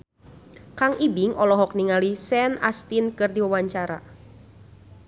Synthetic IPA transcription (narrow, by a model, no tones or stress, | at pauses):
kaŋʔibiŋʔɔlɔɦɔk̚niŋalisɛna̰st̪inkɨrdiwawaɲt͡ʃaɾa̰